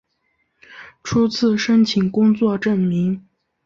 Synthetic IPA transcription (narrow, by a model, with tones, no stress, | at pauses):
ʈ͡ʂʰu˥t͡sʰɹ̩˥˩ʂə˥nt͡ɕʰi˨˩ŋkʊ˥ŋt͡swɔ˥˧ʈ͡ʂə˥˩nmi˧˥ŋ